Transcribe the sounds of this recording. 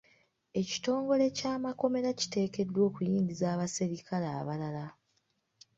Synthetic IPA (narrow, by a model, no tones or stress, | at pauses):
e̞ci̥to̞ːŋɡo̞le̞caːmako̞me̞ɾaci̥te̞ːke̞dːwo̞ːkujiːɲɟizaːβaseɾikʰala̰ːβalala